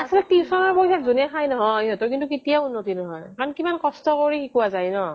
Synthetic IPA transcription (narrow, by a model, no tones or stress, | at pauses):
asɔlɛk̚tisɔnɔɹpojsatzunɛxʰajnɔɦɔjɦɔtɔɹk̬intuketijaunːotinɔɦɔjkaɹɔnkimankɔstɔkoɹixikuwazajnɔ